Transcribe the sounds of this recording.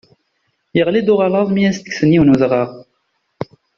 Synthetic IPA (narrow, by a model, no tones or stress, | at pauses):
jəʁlid̪ʊʁɑlɑðˤmijæst̪ə̥ksəniwnuðʁəʁ